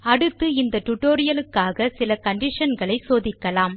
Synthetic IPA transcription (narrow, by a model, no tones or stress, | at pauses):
ɐɽɯt̪ːɯɪnd̪ɐʈʊʈoːɾɪjɐlɯkːaːɣɐsɪlɐkɐɳɖɪʂɐnɡɐɭɐɪsoːðɪkːɐlaːm